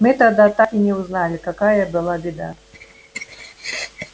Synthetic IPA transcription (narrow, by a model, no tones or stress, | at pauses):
mɨt̪ad̪at̪akinʲɛwznalʲikakajɐbɨlˠabʲid̪a̰